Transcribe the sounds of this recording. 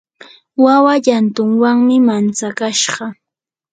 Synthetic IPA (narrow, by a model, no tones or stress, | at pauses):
wawaʎant̪ʊŋwaŋmɪmant͡sakaʃɢɑ